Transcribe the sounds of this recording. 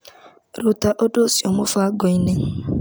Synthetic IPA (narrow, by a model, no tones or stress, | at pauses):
ɾʊtaʔodosiɔmʊfaɡɔine